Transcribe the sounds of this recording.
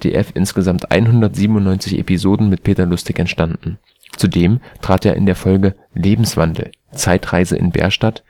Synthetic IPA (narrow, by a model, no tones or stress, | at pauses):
tʰḛːʔɛfʔɪ̰nsɡ̥əzamtʔa̰ɪnɦʊndɐtz̥iːbm̩ʊnːɔʏnt͡sɪçḛpizoːdn̩mɪt̚pʰeːtɐlʊstʰɪkɛntʃtandn̩ | t͡sudeːmtʁ̥aːteːɐʔɪ̰ndeːɐfɔlɡə | leːbm̩sv̥andl̩ | t͡saɪtʁ̥aɪzə̰ʔɪ̰nbɛ̰ːɐʃtat